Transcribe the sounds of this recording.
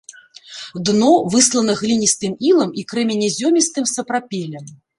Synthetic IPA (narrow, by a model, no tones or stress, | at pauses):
d̪nɔvɨslˠɐnɐɣlʲinʲist̪ɨmilˠɐmikɾɛmʲɛnʲɛzʲɔmʲist̪ɨmsɐpɾapʲɛlʲɐm